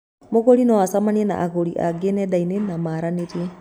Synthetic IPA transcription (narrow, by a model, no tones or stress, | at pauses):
moɣolinɔwasamaniɛna̰ʔaɣoɾiʔa̰ɡenɛdainenamaɾaneɾie